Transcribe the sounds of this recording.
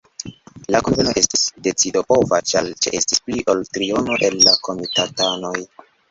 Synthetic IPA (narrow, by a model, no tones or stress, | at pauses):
lakonveno̞ʔe̞stisde̞t͡sido̞po̞vat͡ʃalt͡ʃe̞̰ʔe̞stispliʔo̞ltɾio̞no̞ʔe̞lːako̞mitatano̞j